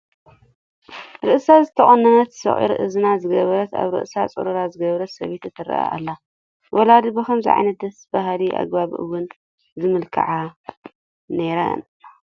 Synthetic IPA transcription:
ɾɨʔsazɨt̪ʰɐχʼɐnːɐnɐt̪sɐ̰χʼḭɾʔɨ̰zɨnazɨɡɐβɐɾɐt̪a̰βɾɨ̰ʔsat͡sʼɨ̰ɾɨɾazɨɡɐβɾɐt̪sɐβet̪ɨt̪ʰɨɾɐ̰ʔa̰ʔa̰lːa | wʔɔlad̪ɨbɨkɐmzɨ̰ʕa̰jnɐt̪̚d̪ɐsb̥aɦliʔa̰ɡbaβḭʔɨ̰wʊn | zɨmɨlkʰɐ̰ʕa | neɾa̰n

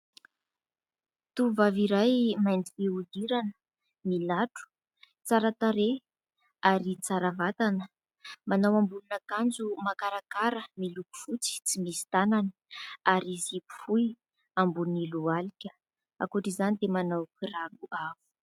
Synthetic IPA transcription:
t̪uvaviɾajmajnd͡ziviud̪iɾanə | milaʈ͡ʂu̥ | t͡saɾat̪aɾe | aɾit͡saɾavat̪anə | manawambulunakand͡zumakaɾakaɾəmiluku̥fut͡si̥t͡simisi̥t̪ananəaɾizipu̥fuj | ambunilualikʲə̥ | a̰kuʈ͡ʂizanid̪emanawkiraluʔavu̥

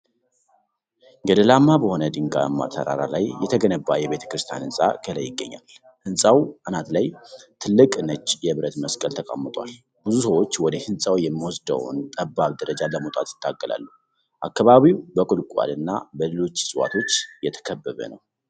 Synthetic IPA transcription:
ɡəd̪əlamːabəho̞nəd̪ɨŋɡa̰mːa̰t̪ʰə̰ɾa̰ɾa̰lajːɛt̪ʰəɡənəbːajɛβe̞t̪ʰə̥kɾɨst̪ʰja̰nɨnsʼa̰kʰʼələjːɪɡːə̰ɲːa̰l | hɨnsʼawanat̪lajt̪ʰɨlːɨkʼnət͡ʃʼːjɛβɾət̪məskʼəlt̪ʰəkʼa̰mːət̪ʼwal | b̥ɨzusəwo̞t͡ʃːwɔd̪əhɨnsʼawjɛmːiwɔsd̪ə̰w̰nt̪ʼəbːaβd̪əɾəd͡ʒaləmət̪ʼat̪jɪ̥t̪ʰːaɡːəla̰lːu | ʔakːaβaβiwbəkʼulkʼa̰lɨnːa̰bəlelo̞t͡ʃːsʼɨwa̰t̪ʰo̞t͡ʃːjɛt̪ʰə̥kʰəbːəβə̰nəw

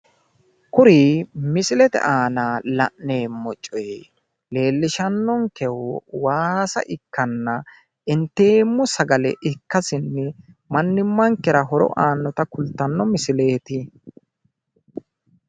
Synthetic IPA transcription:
kʊɾiːmɪsɪlɛt̪ɛ̰ʔaːnaːlɐʔne̞ːmːɔt͡ʃʼːɔj | le̞ːlːɪʃɐnːɔŋkɛwɔwaːsɐ̰ʔɪkːɐnːɐ | ɪnt̪e̞ːmːɔsɐɡɐlɛ̰ʔɪkːɐsɪnːɛ | mɐnːɪmːɐŋkːɛɾɐɦɔɾɔ̰ʔaːnːɔt̪ɐkʊlt̪ːɐnːɔmɪsɪle̞ːt̪ɪ

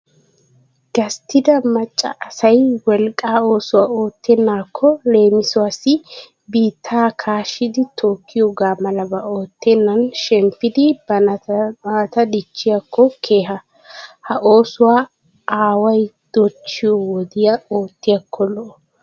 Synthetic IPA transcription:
ɡ̥ɐst̪ʰɪd̪ɐmɐt͡ʃʼːɐ̰ʔɐsɐjwɔlkʼaːo̞ːsʊwaːo̞ːt̪ʰːɛnːaːkʰːɔle̞ːmɪsʊasɪ | biːt̪ʰːaːkʰaːʃɪd̪ɪt̪ʰo̞ːkːɪjɔɡaːmɐlɐbɐʔo̞ːt̪ːɛnːɐnʃɛmpːɪd̪ɪbɐ | t̪ɐd̪ɪt͡ʃːɪjɐkʰːɔkʰe̞ːɦɐ | hɐʔo̞ːsʊwaː | aːwɐjd̪̥ɔt͡ʃːɪjɔwɔd̪ɪjɐo̞ːt̪ːɪjɐkʰːɔlɔʔɔ

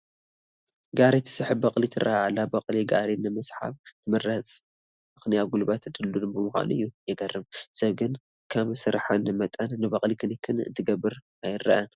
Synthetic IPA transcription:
ɡaɾit̪ʰɨ̥sɨħɨbɐχʼlit̪ʰɨɾʔaʕalːabɐqʼliɡaɾinɨmɨsħa̰βt̪ʰɨmɐrɐt͡sʼ | mɨxnijaɡulbat̪ʰɨd̪ɨlːunbɨmɨxʷa̰nuɨjːujɛɡɐrːɨmsɐβɡɨn | kʰɐβsɨɾħanɨmɐt̪ʼɐnːɨbɐχʼlikʰɨnɨkʰːɨnɨ̰nt̪ʰɨɡɐbɨɾʔajɪrɐʔɐn

